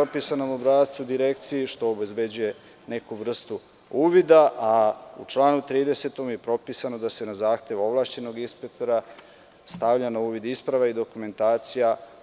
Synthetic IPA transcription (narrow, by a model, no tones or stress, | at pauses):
opisanomobɾaːt̪t̪sud̪iɾe̞kt̪sijiʃt̪o̞ːbe̞zbe̞d͡ʑuje̞ | ne̞kuʋr̩st̪u | uːʋid̪aʔaṵt͡ʃlaːnut̪ɾiːd̪e̞se̞t̪o̞mje̞pɾo̞piːsano̞d̪ase̞nazaːxt̪e̞ʋo̞ʋlˠaːʃt͡ɕe̞no̞ɡinspek̚t̪o̞ɾa | st̪aʋʎanauːʋid̪ispɾaʋaid̪o̞kume̞nt̪aːt̪sija